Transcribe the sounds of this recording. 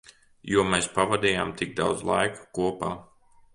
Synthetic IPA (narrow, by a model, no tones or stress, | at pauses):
juɔmɛspavad̪ʲiːjaːmt̪iɡ̚d̪a̰wd̪zlˠa̰jku̥kuɔpaː